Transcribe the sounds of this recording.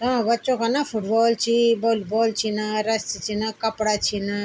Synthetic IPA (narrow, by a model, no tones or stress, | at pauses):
t̪ɐãbətːt͡ʃõkanafʰuʈbɔːlt͡ʃʰibolbɔːlt͡ʃʰinaɾɐst̪t͡ʃʰinakɐpɽat͡ʃʰina